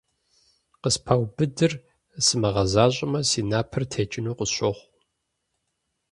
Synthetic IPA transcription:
qəspʰawbɨdɨr | sɨmɐʁɐzaːɕʼɪmɐsiːnaːpʰɨrtʰeːt͡ʃʼɪnuːqʷəɕʷoχʷ

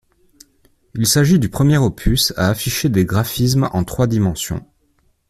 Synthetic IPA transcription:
ilsaʒid̪ypχəmjɛʁopʰysa̰ːfiʃed̪eɡʁafis̬mɑ̰̃t̪χwad̪imɑ̃sjɔ̰̃

